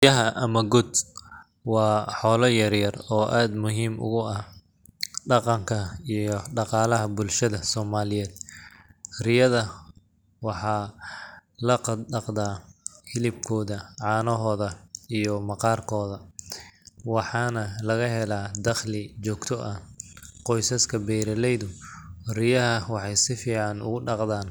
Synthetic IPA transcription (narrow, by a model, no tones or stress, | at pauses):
jɐɦɐʔɐmɐɡʊd̪ | wɑːħɔːlɐjɐrjɐrɔːʔaːd̪mʊɦiːmʔʊ̰ɣʊɐ | ɖɑqɑŋkʰɐijɔɖɑqɑːlɐɦɐbʊlʃɐðɐsɔːmaːlɪjɛːd̪̥ | rɪjɐðɐ | wɑħɑː | lɐqɑɖɑqd̪aːhɪlɪb̚kʰɔːðɐʕɑːnɔɦɔːðɐijɔmɑqɑːrkʰɔːðɐ | wɑħɑːnɐlɐɣɐɦɛlaːd̪ɐχlɪt͡ʃɔːɡt̪ʰɔʔɐqɔjsɐskʰɐbɛjɾɐlɛjðʊrɪjɐɦɐwɑħɑjsɪfiːʕɑnʊ̰ɣʊɖɑqd̪aːn